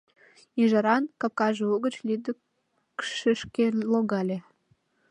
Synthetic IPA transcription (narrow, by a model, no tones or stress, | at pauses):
iʒɑɾɑnkɑp̚kɑʒeoɣət͡ɕlʲid̪ə | kʃəʃkeloɣɑlʲe